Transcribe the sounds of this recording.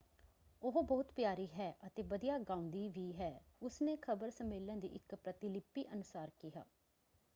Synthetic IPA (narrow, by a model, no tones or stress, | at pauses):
oɦbɔːt̪pjaːɾiːɦɛːʔət̪eːʋəd̪ijaːɡãːʊ̃nd̪iːʋiːɦɛːʊsneːkʰəbəɾsəmeːlə̃nd̪ḭːʔɪkpɾət̪ɪlɪpːiːʔənʊsaːɾkiɦa̰ː